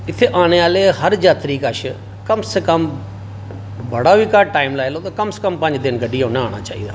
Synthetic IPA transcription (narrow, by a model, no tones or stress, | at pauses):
ɪt̪ʰːeːʔaːɽ̃eːaːleːɦəɾd͡ʒaːt̪ɾiːkəʃ | kəmseːkəm | bəɽaːʋiːkaʈaːɪmlaːjloːt̪aːkəmsekəmpə̃ɲd͡ʒd̪ɪnɡəɖiːoːnãːaːɽ̃a̰ːt͡ʃa̰ːḭːd̪aː